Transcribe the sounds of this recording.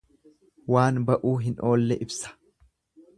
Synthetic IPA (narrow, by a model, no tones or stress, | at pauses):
waːnbɐʔuːɦɪnʔo̞ːlːɛʔɪbsɐ̥